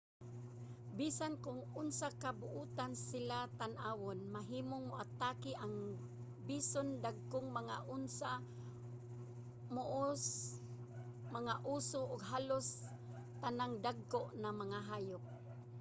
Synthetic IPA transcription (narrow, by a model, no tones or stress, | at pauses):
bisankʊŋʊnsakabʊʔuːt̪ansɪlat̪anʔaːwonmaɦiːmoŋmʊʔat̪akɪʔaŋ | bisond̪aɡ̚kʊŋmaŋaʔʊnsa | mʊʔos | maŋaʔusʊʔʊɡɦalos | t̪anaŋd̪aɡ̚koʔnamaŋaɦaːjʊk̚